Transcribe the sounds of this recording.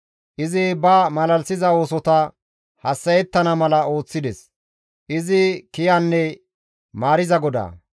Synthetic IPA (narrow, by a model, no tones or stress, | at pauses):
ʔɪzɪbɐmɐlɐlsɪzɐo̞ːsɔt̪ɐ | hɐsːɐjɛt̪ːɐnɐmɐlɐo̞ːt͡sːɪd̪ɛs | ʔɪzɪkɪjɐnːɛ | maːɾɪzɐɡɔd̪a̰ː